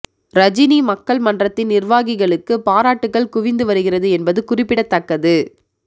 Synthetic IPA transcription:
ɾɐd͡ʒɪnimɐkːɐɭmɐndrɐt̪ːɪnnɪrʋaːɣɪɣɐɭɯkːɯpaːɾaːʈːɯkːɐɭkʊʋɪnd̪ɯʋɐɾɯɣɪrɐðɯɛnbɐðɯkʊrɪpːɪɽɐt̪ːɐkːɐðɯ

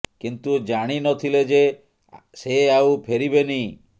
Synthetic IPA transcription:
kint̪ud͡ʒaɽ̃inɔt̪ʰiled͡ʒe | seawpʰeɾibeni

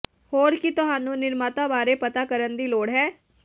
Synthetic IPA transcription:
hoːɾkɪt̪ʊɦaːnũːnɪɾmaːt̪aːbaːɾeːpət̪aːkəɾənd̪iːloːɽɦɛː

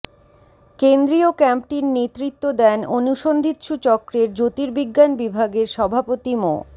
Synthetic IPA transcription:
kend̪ɾiokɛmpʈiɾnet̪ɾit̪ːod̪ɛnonuʃond̪ʱit̪ʃut͡ɕɔkɾeɾd͡ʑot̪iɾbiɡːanbibʱaɡeɾʃɔbʱapot̪imo̰

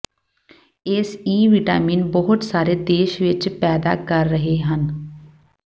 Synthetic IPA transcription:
ɪsiːʋɪʈa̰ːmiːnbɔɦʊt̪saːɾeːd̪eːʃʋɪt͡ʃpɛːd̪a̰ːkəɾːəɦeɦən

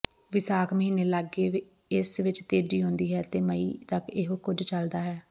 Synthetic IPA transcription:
ʋɪsaːkʰməɦiːneːləɡeːʋ | ɪsʋɪt͡ʃt̪eːɖiːɦõːnd̪iːɦɛːt̪eːməḭːt̪əkɪɦokʊd͡ʒt͡ʃəld̪aːɦɛː

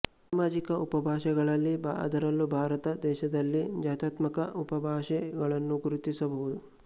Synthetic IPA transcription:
saːmaːd͡ʒikɐʔupɐbʱaːʃɛɡɐɭɐlːibʱa̰ɐ̰d̪ɐɾɐlːubʱaːɾɐt̪ɐd̪ɛːʃɐd̪ɐlːid͡ʒaːt̪aːt̪mɐkɐupɐbʱaːʃɛɡɐɭɐnːuɡuɾut̪isɐbɐɦud̪u

